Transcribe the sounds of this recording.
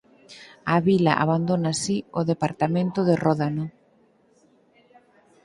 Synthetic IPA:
aβila̰ʔa̰βand̪onasioðepaɾt̪amẽnt̪ʊðerɔðano

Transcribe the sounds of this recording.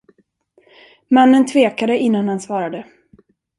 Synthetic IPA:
manːənt̪ʰveːkad̪əʔɪnːanhansvɑːɾad̪ə

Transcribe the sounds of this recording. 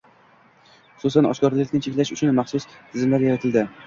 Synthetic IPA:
χʊ̥sʊsanɒ̰ʃkɒɾlɪkʲnɪt͡ʃʰe̞kʲlaʃʊt͡ʃʰʊnmɑχsʊst̪ʰɪzɪmlaɾjaɾat̪ʰɪld̪ɪ

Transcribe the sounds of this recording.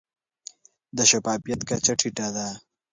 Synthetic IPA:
d̪əʃapaːfijat̪kat͡ʃaʈʰiʈad̪a

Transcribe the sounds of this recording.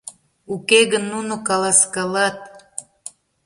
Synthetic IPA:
ukeɣənːunokɑlɑskɑlɑt̪̚

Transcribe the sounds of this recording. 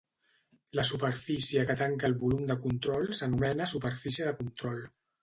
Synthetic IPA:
ləsupəɾfisiəkət̪aŋkəːlˠβulumd̪əkunt̪ɾɔlˠsənumɛnəsupəɾfisiəðəkunt̪ɾɔl

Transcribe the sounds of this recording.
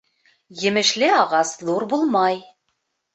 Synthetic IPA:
jɘ̆mɘ̆ʃlɘɑʁɑsðuɾbulˠmɑj

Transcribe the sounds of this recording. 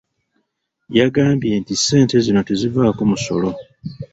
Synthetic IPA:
jaɡaːmbje̞ntise̞ːnte̞zino̞tezivaːkomuso̞̰lo̞

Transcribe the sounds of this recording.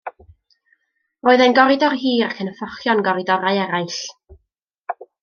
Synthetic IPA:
roːɨðɛnɡɔɾɪdɔrɦiːɾakʰənəfɔχjɔnɡɔɾɪdɔɾaɨɛɾajɬ

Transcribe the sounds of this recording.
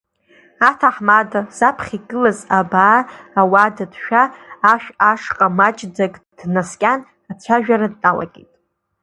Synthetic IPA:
atʰaħmadazapʰχʲiɡɨlazabaːwadadʃᶣaːʃᶣaʂqʼamat͡ʃʼd͡zakʼ | d̥naskʲʼan | at͡sʷʰaʒᶣaɾad̚ːʼala̰kʲʼḭtʼ

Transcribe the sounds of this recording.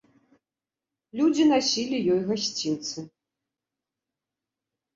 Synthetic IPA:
lʲud͡zʲinasʲilʲijɔjɣasʲt͡sʲint̪sɨ

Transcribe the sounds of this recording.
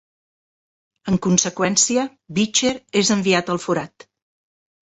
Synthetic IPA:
əŋkunsəkwɛnsiə | βit͡ʃeɾezəmbiat̪əlˠfuɾat̪

